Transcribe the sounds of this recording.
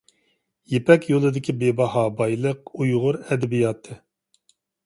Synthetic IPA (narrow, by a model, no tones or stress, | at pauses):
jepʰɛkʲjolˠɨd̪ɪkʲʰibebɑhɑːbɑjlˠəqujʁʊɾɛd̪ɛbijɑːt̪ʰɨ